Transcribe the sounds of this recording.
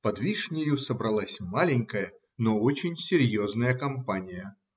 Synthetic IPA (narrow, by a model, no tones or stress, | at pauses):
pɐd̪vʲiʂnʲɪjʊsəbɾɐlˠasʲmalʲɪnʲkəjə | noot͡ɕɪnʲsʲɪɾʲjoznəjəkɐmpanʲɪjə